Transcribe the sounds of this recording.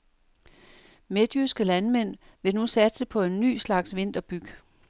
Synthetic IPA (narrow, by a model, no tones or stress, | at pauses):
med̥ysɡ̥əlænmen̰ | ʋe̝nusæd̥səpʰɒ̽e̝nːy̰ːslɑ̈ɡ̥sʋe̝n̰d̥ɐb̥yɡ̥